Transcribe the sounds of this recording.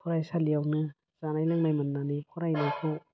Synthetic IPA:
kʰɔɾajsalijawnɯ | z̥anajlaŋmajmandanikʰɔɾajnajkʰɔ

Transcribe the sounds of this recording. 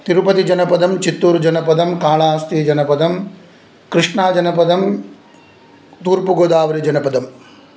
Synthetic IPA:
t̪iɾupɐt̪id͡ʒɐnɐpɐd̪ʱɐmt͡ʃit̪ːuːɾd͡ʒɐnɐpɐd̪ʱɐmkaːɭaːst̪iːd͡ʒɐnɐpɐd̪ʱɐm | kɾɪʂɳaːd͡ʒɐnɐpɐd̪ʱɐm | t̪uːɾpuɡoːd̪aːʋɐɾid͡ʒɐnɐpɐd̪ɐm

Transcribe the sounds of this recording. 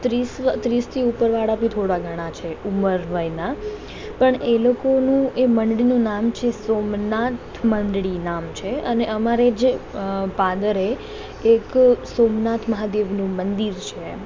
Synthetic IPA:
t̪ɾisʋt̪ɾist̪ʰiupəɾʋaɽapit̪ʰoɽaɡʱəɽ̃ãt͡ʃʰeuməɾʋəjna | pəɳelokonũeməɳɖɽinũnamt͡ʃʰesomnat̪ʰməɳɖɽinamt͡ʃʰeəneʔəmaɾed͡ʒepad̪əɾeː | ksomnat̪ʰməɦad̪eʋnũmənd̪iɾt͡ʃʰe

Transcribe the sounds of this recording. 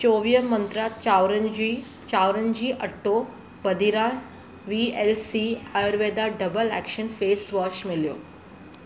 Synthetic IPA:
t͡ʃoːʋijəmənt̪ɾat͡ɕawɾəd͡ʑi | t͡ʃaːwɾənd͡ʑiːʔəʈʰːo | bəd̪iɾa | ʋielsiajəɾʋeːd̪aɖəbəlɛ̰kʃənfeːsʋɔːt͡ʃmɪljo̰ː

